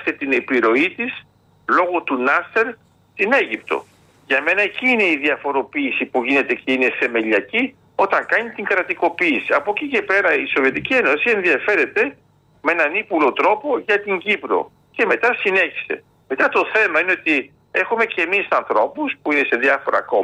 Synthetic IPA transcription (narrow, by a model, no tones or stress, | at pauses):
st̪et̪ine̞piɾo̞it̪is | lo̞ɣot̪unɐseɾ | st̪ine̞ʝipt̪o̞̰ | ʝɐme̞nɐeciːne̞iðiɐfo̞ɾo̞piːsipuʝine̞t̪e̞ce̞ine̞θe̞me̞ʎɐci | o̞t̪ɐŋkɐnit̪iŋɡɾɐt̪iko̞piːsiɐpo̞cice̞pe̞ɾɐiso̞vie̞t̪icieno̞sie̞nðiɐfe̞ɾe̞t̪e̞ | mee̞nɐnipulo̞t̪ɾo̞po̞ʝɐt̪iɲɟipɾo̞̰ | ce̞me̞t̪ɐsine̞çi̥se̞̰ | me̞t̪ɐt̪o̞θe̞mɐineot̪i | e̞xume̞ce̞misɐnθɾo̞puspuine̞se̞ðjɐfo̞ɾɐ̰ko̞